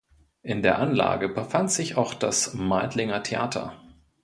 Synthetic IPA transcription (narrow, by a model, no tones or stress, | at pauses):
ʔɪndeːɐʔanla̰ːɡəbəfantz̥ɪçaʊxd̥asmaɪtlɪŋɐtʰeʔa̰ːtʰɐ̰